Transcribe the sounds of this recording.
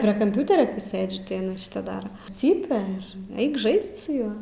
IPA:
pʲrʲiɛ kɐmʲˈpʲuːtʲɛrʲɛ ˈsɘd͡ʒʲʊ tɐɪ ɐˈnɐ ʃʲɪˈtɐ ˈdɑːrɐ ˈt͡sʲiːpʲɛ ɪr ˈɐɪk ˈʒɐɪst sʊ ˈjuɔ

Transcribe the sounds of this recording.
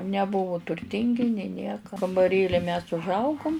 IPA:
nʲɛˈbʊʋʊ tʊrʲˈtʲɪŋʲɡʲɪ nʲeː ˈnʲiɛkɐ kɐmbɐˈrʲeːlʲɪ mʲɛs ʊʒˈɐʊɡʊm

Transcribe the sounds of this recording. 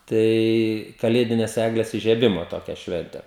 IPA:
ˈtɐɪ kɐˈlʲeːdʲɪnʲɛs ˈæːɡlʲɛs ɪʒʲiɛˈbʲɪmoː ˈtoːkʲɛ ˈʃʲʋʲɛnʲtʲɛ

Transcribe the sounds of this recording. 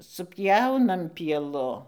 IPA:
sʊpʲˈjɛʊnɐm pʲiɛˈlˠʊ

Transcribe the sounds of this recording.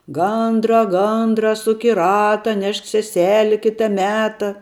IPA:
ˈɡɐndrɐ ˈɡɐndrɐ ˈsʊk ɪ ˈrɑːtɐ ˈnʲɛʃk sʲɛˈsʲæːlʲɪ ˈkʲɪtɐ ˈmʲæːtɐ

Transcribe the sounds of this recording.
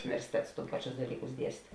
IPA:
ʊnʲɪʋʲɛrʲsʲɪˈtʲɛts ˈpɑːˌt͡ʃʲʊs dɐˈlʲiːkʊs ˈdʲiɛsʲtʲ

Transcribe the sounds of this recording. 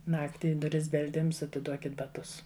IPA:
ˈnɑːktʲɪ ɪ dʊˈrʲɪs bʲɛlʲˈdʲɪms ɐtʲɪˈduɔkʲɪt bɐˈtʊs

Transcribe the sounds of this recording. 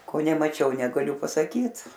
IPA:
ˈkoː nʲɛmɐˈt͡ʃʲɛʊ nʲɛɡɐˈlʲʊ pɐsɐˈkʲiːt

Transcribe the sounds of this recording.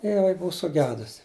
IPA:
ɪr jɪˈnɐɪ ˈbʊʊ sʊˈɡʲæːdʊsʲɪ

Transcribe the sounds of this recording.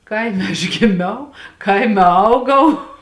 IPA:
ˈkɐɪmʲɛ ɐʃ ɡʲɪˈmʲɛʊ ˈkɐɪmʲɛ ˈɐʊɡɐʊ

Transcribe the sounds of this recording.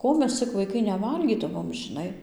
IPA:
ˈkoː mʲɛs t͡sʲɪk ʋɐɪˈkɐɪ nʲɛˈʋɐlʲɡʲiːdɐʋoːm ʒʲɪˈnɐɪ

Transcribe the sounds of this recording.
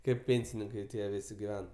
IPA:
kɐɪp ˈpʲeːnʲsʲɪnʲɪŋkɐɪ ˈtʲiɛ ˈʋʲɪsʲɪ ɡʲɪˈʋʲɛn

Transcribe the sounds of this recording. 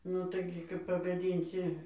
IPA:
ˈnʊ tɐɪˈɡʲɪ kɐp pɐɡɐˈdʲiːnʲsʲɪ

